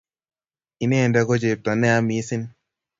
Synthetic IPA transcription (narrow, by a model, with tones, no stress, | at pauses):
i˨ne˦˨nda˦ɡo˦d͡ʒe˨p̚ta˨nɛ˦a˦mi˨˦sɪ˦n